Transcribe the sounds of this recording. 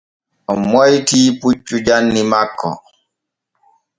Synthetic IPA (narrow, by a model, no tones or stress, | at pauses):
ɔmɔjtiːput͡ʃːud͡ʒanːimakːɔ̰